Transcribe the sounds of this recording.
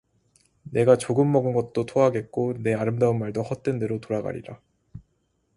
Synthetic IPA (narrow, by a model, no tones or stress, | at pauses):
ne̞ɡat͡ɕoɡɯmːʌɡɯnɡʌt̚t͈otʰoaɡe̞t̚k͈one̞aɾɯmdaɯnmaɭdohʌt̚t͈we̞nde̞ɾotoɾaɡa̰ɾḭɾa